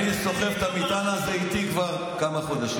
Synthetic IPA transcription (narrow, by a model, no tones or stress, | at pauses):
niso̞χeft̪amit̪anazeit̪ikvaʁ | kamaχod̪aʃi